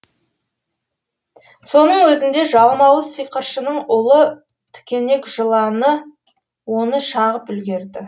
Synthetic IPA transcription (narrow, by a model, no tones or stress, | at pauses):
so̞nəɴwɵzɪnd̪e̞ʒɑlˠmɑwəsəjqəɾʃənəɴʊlˠə | t̪ʰɪ̥kʲe̞ne̞kʒəlˠɑnə | wo̞nəʃɑʁəp̚ʏlɡʲe̞ɾd̪ɪ